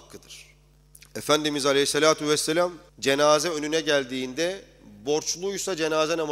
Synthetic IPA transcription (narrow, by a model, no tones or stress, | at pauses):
kːɯd̪ɯɾ̥ | efænd̪imizalʲeɦisːelʲaːt̪ʰyvɛsːelʲamd͡ʒe̞naːzɛø̞nynɛɟælʲd̪iːnd̪ɛ | bo̞ɾt͡ʃlˠujsad͡ʒe̞naːzɛnam